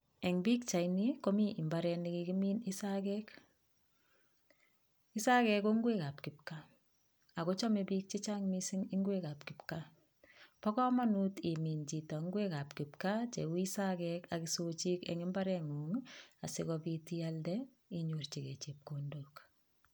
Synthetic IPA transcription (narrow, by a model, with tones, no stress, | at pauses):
ɛ˨ŋbi˦k̚t͡ʃa˨jniko˦mi˦ʔi˨mbaɾɛnikiki˦mi˦nɪsakɛk | ɪ˦sa˦kɛko˦ŋɡweka˨p̚kɪ˨p̚ka | a˨ko˦t͡ʃɔ˦mebi˦k̚t͡ʃi˦t͡ʃaŋmisɪ˦ŋɪ˦ŋɡweka˨pkɪpka | pɔ˦kɔ˦ma˦nu˦ti˨mi˨nt͡ʃi˨tɔ˨ŋɡwe˦ka˨pkɪ˨pkat͡ʃe˨wisa˦kɛka˨kisot͡ʃi˦kɛ̰ŋɪ˦mba˦ɾɛŋuŋa˨sɪkɔpiti˦aldɛ | iɲu˨rt͡ʃi˨ke˨t͡ʃe˨p̚kondok